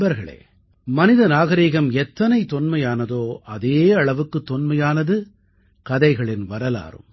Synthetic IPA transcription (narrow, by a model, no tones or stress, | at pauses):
bɐɾɣɐɭḛː | mɐnɪðɐnaːɣɐɾiːɣɐmɛt̪ːɐnɐɪt̪ːɔnmɐjaːnɐðoːʔɐðeːɐɭɐʋɯkːɯt̪ːɔnmɐjaːnɐðɯ | kɐðɐɪɣɐɭɪnʋɐɾɐla̰ːrɯ̰m